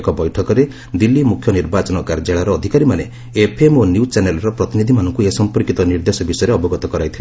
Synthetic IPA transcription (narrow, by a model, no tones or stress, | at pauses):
kɔbɔjʈʰɔkɔɾe | d̪ilːimukʰjɔniɾbat͡ʃɔnɔkaɾd͡ʒaɭaɾɔːd̪ʱikaɾimane | epʰemonjut͡ʃanelɔɾɔpɾɔt̪inid̪ʱimanɔŋkuesɔmpɔɾkit̪ɔniɾd̪esɔbisɔjɔɾeɔbɔɡɔt̪ɔkɔɾajt̪ʰile